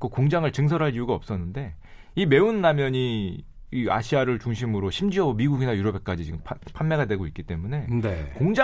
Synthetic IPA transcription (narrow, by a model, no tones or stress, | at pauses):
k͈okoŋd͡ʑaŋɯɭt͡ɕɯŋs̬ʰʌɾɦaɭiuɡaʌp̚s͈ʌnːɯnde̞ | ime̞unːamjʌɲi | ia̰ɕʰiaɾɯɭt͡ɕuŋɕʰimɯɾoɕʰimd͡ʑiʌomiɡuɡinajuɾʌbe̞k͈ad͡ʑit͡ɕiɡɯmpʰpʰanme̞ɡadwe̞ɡoik͈it͈e̞mune̞nekoŋd͡ʑa